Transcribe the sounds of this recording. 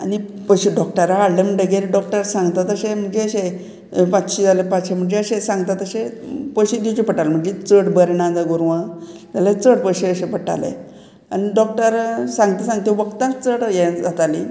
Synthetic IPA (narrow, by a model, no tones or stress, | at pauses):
ani | pəɕeɖɔk̚ʈəɾaaɽlem̤əɳɖəɡeɾeɖɔk̚ʈəɾsãŋɡt̪at̪əɕem̤əɳd͡zeəɕe | pat͡sɕid͡zaləpat͡sɕem̤əɳd͡zeəɕesãŋɡt̪at̪əɕẽpəjɕed̪it͡ɕepəʈalm̤əɳd͡zet͡səʈbəɾenãd͡zaɡuɾʋãt̪alat͡səʈpəjɕeəɕepəʈa̰lḛ | a̰niɖɔk̚ʈəɾsãŋɡt̪esãŋɡt̪ẽʋəkt̪at͡səʈjɛ̃d͡zat̪alḭ